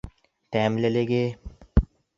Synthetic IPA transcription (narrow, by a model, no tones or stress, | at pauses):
t̪ɛːmleleɡeː